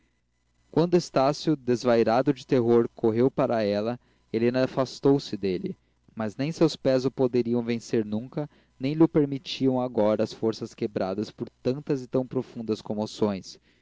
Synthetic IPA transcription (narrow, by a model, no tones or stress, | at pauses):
kwɐ̃nd̪ʊest̪asjʊd̪ezvajɾad̪ʊd͡ʒɪt̪eɦoɾkʰoɦewpaɾɐɛlɐ | elẽnɐafast̪owsɪd̪elɪ | mɐznẽj̃sewspɛzʊpod̪eɾiɐ̃w̃vẽseɾnũkɐ | nẽj̃lɪʊpeɾmit͡ʃiɐ̃w̃aɡɔɾɐːsfoɾsɐskebɾad̪ɐspoɾt̪ɐ̃nt̪ɐzɪt̪ɐ̃w̃pɾofũnd̪ɐskõmosõj̃s